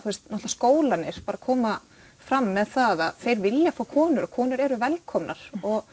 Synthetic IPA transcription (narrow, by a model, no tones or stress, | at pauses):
θuɛst̪nɔht̪laskoːwlanɪɾ̥paːɾakʰɔːma | fɾamːɛðθaðaðθejɾvɪljafawkʰɔːnʏɾɔkʰɔːnʏɾɛɾʏvɛlkʰɔmna̰ɾ̥ɔɣ